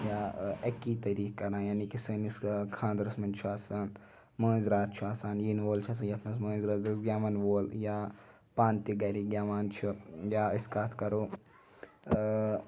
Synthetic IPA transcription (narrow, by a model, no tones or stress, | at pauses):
jaɐkːiːt̪ɐɾiːkkːɐɾãːjaːnikisəniskʰãːnd̪ɾɐsmɐnt͡ʃʰuaːsaːn | mɐ̃ːzɾaːt̪̚t͡ʃʰuaːsaːnjiːnʋoːlt͡ʃʰɐːs̬ɐnjɐt̪ʰmɐs̬mɐ̃ːzɾɐːzɐsɡʲjaːmɐnʋoːljaː | pãːnt̪iɡɐɾiɡʲjaːʋaːnt͡ʃʰujaːiskaːt̪ʰkɐɾoː